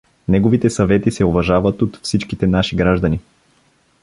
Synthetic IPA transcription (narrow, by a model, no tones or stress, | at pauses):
nɛɡovit̪ɛsɐvɛt̪isɛovɐʒavət̪ot̪fsit͡ʃkit̪ɛnaʃiɡɾaʒd̪ɐni